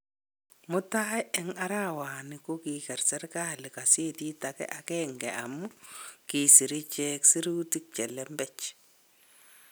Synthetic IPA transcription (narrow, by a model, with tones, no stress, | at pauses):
mʊ˦ta˦ɛ˦ɛ˦ŋa˦ɾa˦waː˨nɪ˨ku˦kikɛ˨ɾsɛ˦ɾka˦lɪ˨ka˨se˦ti˦takɛ̰˦ʔakɛŋɡɛ˨ʔa̰mu˦ki˨si˨ɾi˦t͡ʃɛ˦ksi˦ɾu˦tik̚t͡ʃɛ˨lɛ˦mbɛt͡ʃ